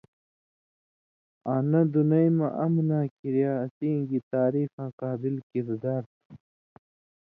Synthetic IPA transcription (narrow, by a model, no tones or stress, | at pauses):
aːnɐd̪unɐjmɐʔɐmnaːkiɾjaːsiːŋɡit̪aːɾiːfãːqaːbilkiɾd̪aːɾt̪